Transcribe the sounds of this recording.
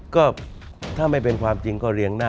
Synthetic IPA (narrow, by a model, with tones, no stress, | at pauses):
kɔː˥˩t̪ʰaː˥˩ma˥˩jpe˧nkʰwaː˧mt͡ɕi˧ŋkɔː˥˩ɾi˧əŋnaː˥˩